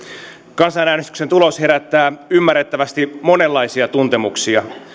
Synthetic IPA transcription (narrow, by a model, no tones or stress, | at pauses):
kɑnsɑnæːnest̪y̥ksent̪ulo̞she̞ɾæt̪ːæːymːærːet̪ːæʋæst̪imo̞ne̞lːɑisiɑt̪unt̪e̞muksiɑ